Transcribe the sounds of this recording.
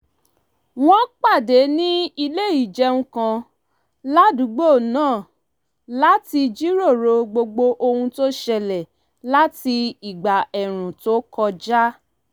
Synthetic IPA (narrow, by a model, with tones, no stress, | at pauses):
w̃ɔ̃˦k͡pa˦˨de˨˦nĩ˦i˧le˦ji˦˨d͡ʒɛ̃˧ũ˧kã˧ | la˦du˨˦ɡ͡bo˦˨nãː˦˨ | la˦ti˧d͡ʒi˦ɾo˦˨ɾo˧ɡ͡bo˧ɡ͡bo˧ʔo˧hũ˧to˦ʃɛ˧lɛ˨ | la˦ti˧i˨ɡ͡ba˨ɛ˨ɾ̃ũ˨to˦kɔ˧d͡ʒa˦